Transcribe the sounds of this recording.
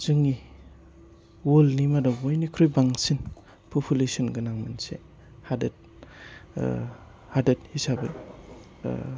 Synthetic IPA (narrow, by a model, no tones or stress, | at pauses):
z̥ɯŋi | wolnimadabojnikʰɾojbaŋsin | pʰupʰulesinɡɯnaŋmansḛ | hadɐt̚ | hadɐt̚hisabɯ